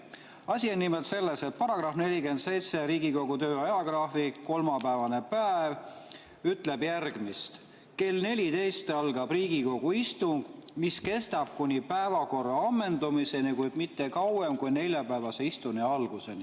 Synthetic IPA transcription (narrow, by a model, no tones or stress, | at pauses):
ɑsʲionːimelt̪se̞lːe̞se̞t̪̚pɑɾɑɡ̥rɑfne̞lʲike̞nd̪se̞jt̪seɾiːɡiko̞ɡ̥ut̪ø̞ːɑjɑɡ̥rɑfikːo̞lmɑpæevɑne̞pæeev | yt̪ːˑle̞bjærɡ̥mist̪ | ke̞lne̞lʲit̪e̞jst̪ɑlɡ̥ɑb̥riːɡiko̞ɡ̥uist̪uŋɡ̥miske̞st̪ɑb̥̚kunʲipæevɑko̞rːɑɑmːe̞nd̪umise̞nikujd̪mit̪ːe̞kɑwemkujne̞lʲjɑpæevɑse̞ist̪uniɑlɡ̥use̞ni